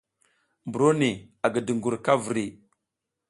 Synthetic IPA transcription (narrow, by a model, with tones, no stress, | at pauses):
mbu˨ɾo˦ni˨a˨ɡə˨də˨ŋɡu˨ɾka˦və˨ɾi˨